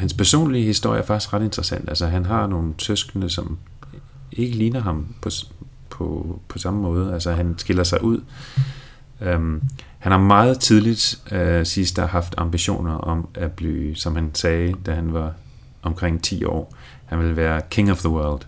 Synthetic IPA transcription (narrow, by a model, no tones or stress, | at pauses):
hænspʰæɐso̰ːnliəhisd̥o̝̰j̰ə̰æɐfɑ̈ɡ̥isɡ̥ʁɑd̥e̝nd̥ʁəsæn̰d̥ælsəɦænɦɑ̈no̝ːn̩t͡sʰøsɡ̥ənəsɒ̽m | e̝ɡ̥əliːnɐɦɑ̈mpʰɒ̽ | pʰɒ̽pʰɒ̽sɑ̈məmɔ̽ːð̩ˠəælsɐɦænsɡ̥e̝lɐsɑ̈ɪʔuð̞̰ˠ | ø | hænhɑ̈mɑ̈ːð̩ˠt͡sʰið̞ˠlid̥sisd̥æɦɑ̈fd̥ɑ̈mb̥iɕo̝̰ːnɐʔɒ̽mæb̥lḭːsɒ̽mhænsɛːɪd̥æɦænʋɑ̈ | ʔɒ̽mkʰʁeŋ̰t͡sʰḭːɒ̰ː | hænʋe̝lʋæːɐkʰe̝ŋɒʋðəwɜɐld̥